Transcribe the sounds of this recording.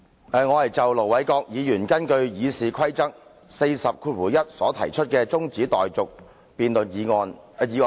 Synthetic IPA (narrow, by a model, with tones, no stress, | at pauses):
ɛː˨ŋɔː˨˧hɐ˨jt͡sɐ˨wlo˨˩wɐ˨˥jkɔː˧k̚jiː˨˧jyː˨˩nkɐ˥nkɵ˧ɥjiː˨˧siː˨kʰwɐ˥jt͡sɐ˥k̚ | se˧jsɐ˨p̚kʰuː˧t̚wuː˨˩jɐ˥t̚sɔː˨˥t̪ʰɐ̰˨˩jt͡ʃʰɵ˥t̚kɛː˧t͡sʊ˥ŋt͡siː˨˥t̪ɔː˨jt͡sʊ˨k̚ | piː˨nlɵ˨njiː˨˧ŋɔː˧n˨˧jiː˨˧ŋː˧